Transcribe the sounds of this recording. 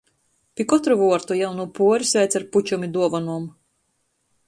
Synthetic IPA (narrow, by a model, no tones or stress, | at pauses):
pʲikɔt̪ɾuvuɔɾt̪ujawnupuɔɾʲisvʲɛjt̪sʲaɾput͡ʃumʲid̪uɔvɔnuɔm